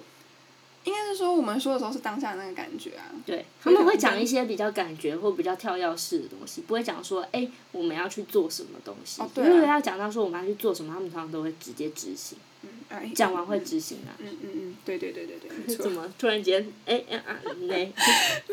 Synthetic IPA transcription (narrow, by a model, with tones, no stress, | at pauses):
i˥ŋka˥ɪʂ̩˥˩˥ʂwɔ˥wɔ˨˩mə˨nʂwɔ˥d̪ə˩ʂ̩˧˥ʊʂ̩˥˩t̪ɑ˥ŋɕja˥˩d̪ə˩na˥˩ɡə˩ka̰˨˩nt͡ɕɥɛ̰˧˦ɐ̰˨t̪we˥˩ɪt̪ʰa˥mə˨we˥˩ɪt͡ɕjɑ˨˩ŋi˥˩ɕ̬jɛ˦p̬i˨˩t͡ɕjɑ˥˩ʊka˨˩nt͡ɕɥɛ˧˥xwɔ˥˩pi˨˩t͡ɕjɑ˥˧ʊt̪ʰjɑ˥˧ʊjɑ˥˧ʊʂɻ̩˥˩d̪ə̰˩t̪o̰˦˥ŋɕi˨pu˧˥xwe˥˩ɪt͡ɕjɑ̰˨˩ŋʂwɔ˦˥ʔe˥˩ɪ | wɔ˨˩mə̃˨˦jɑ˥˧ʊt͡ɕʰy˥˧t͡swɔ˥˨˩ʂə˧˦nmə̰˦t̪o̰˥ŋɕi˧t̪wwe˥˧jɑ˥˩ʊt͡ɕɑ˨˩ŋt̪ɑ˥˧ʊʂ̬ɔ˥wɔ˨m˨˦jɑ˥˧˩t͡ɕʰy˥˧t͡swɔ˥˨˩ʂə˧˨˦mə˩a˥mə̃˨˥˩ɑ˨˧t̪o˥ʊxwe˥˩ɪʈ͡ʂɻ̩˧˦t͡ɕjɛ˦˥ʈ͡ʂɻ̩˧˥ɕḭ˧˦ŋ̩˧˩ | t͡ɕjɑ˨˩ŋwa˧˥nxwe˥˩ɪʈ͡ʂɻ̩˧˥ɕḭ˧˥ŋa̰˨˩˥t̪we˥˩ɪt̪we˥˧t̪we˥˧˨t̪we˥˩t̪ə˨˦nmə˦t̪ʰu˥ɻa˧˦˥nt͡ɕjɛ˥ne˥˩ɪʔʔa̰˨˩˨ne˥˩ɪ